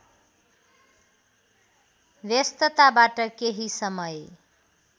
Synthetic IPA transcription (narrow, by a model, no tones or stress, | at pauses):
wjʌst̪ʌt̪abaʈʌkeɦisʌmʌj